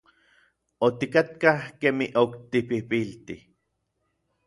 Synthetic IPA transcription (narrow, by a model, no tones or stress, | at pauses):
ot̪ikat̪kahkeːmiʔokt̪ipipilt̪i